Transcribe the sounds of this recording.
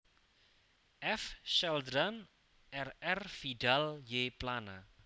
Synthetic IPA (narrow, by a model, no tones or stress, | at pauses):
ʔɛfʃɛld̪ɾan | ʔɛrɛrfiɖaljeplana